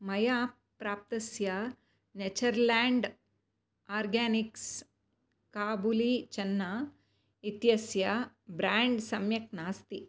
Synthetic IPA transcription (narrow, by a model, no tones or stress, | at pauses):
mɐjaː | pɾaːp̚t̪ɐsjɐ | net͡ʃɐɾlaːɳɖ | aːɾɡaːniks | kaːbulit͡ʃɐnːa | it̪jɐsjɐ | bɾaːɳɖsɐmjɐk̚naːst̪i